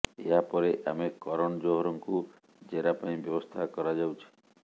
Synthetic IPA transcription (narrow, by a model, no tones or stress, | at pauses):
eɦapɔɾeʔa̰mekɔɾɔɳ̃ɔd͡ʒoɦɔɾɔŋku | d͡ʒeɾapaĩbjɔbɔst̪ʰakɔɾad͡ʒawt͡ʃʰi̥